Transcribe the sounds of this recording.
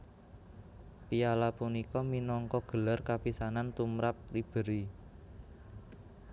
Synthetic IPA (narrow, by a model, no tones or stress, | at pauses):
pialapunikɔminɔŋkɔɡ̥ə̤larkapisanant̪umɾap̚rib̥ə̤ɾi